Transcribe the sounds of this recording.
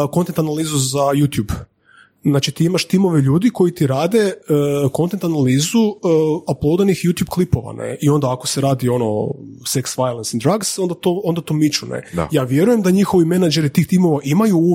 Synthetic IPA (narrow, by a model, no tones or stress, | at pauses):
ko̞nt̪ent̪analˠiːzuzajut̪jub | znaːt͡ʃit̪iːimaʃt̪imo̞ʋeʎuːd̪iko̞jit̪iɾaːd̪e̞əko̞nt̪e̞nt̪analiːzuaplˠod̪anixjuːt̪jub̚klˠipo̞ʋa̰nḛio̞nd̪aːko̞seɾaːd̪io̞no̞̰seksʋajlˠensid̪ɾaɡso̞nd̪at̪oond̪at̪omit͡ʃunḛd̪a̰jaːʋje̞ɾuje̞md̪aɲixo̞ʋime̞nad͡ʒeɾit̪iːxt̪imo̞ʋaʔimaju